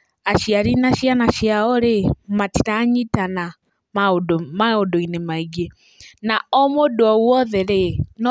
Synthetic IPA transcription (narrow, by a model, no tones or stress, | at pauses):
aʃiaɾinaʃianaʃiaɔɾemati̥taɲitana | maodmaodoinemaiɡe | naɔmodwɔwɔðɛɾen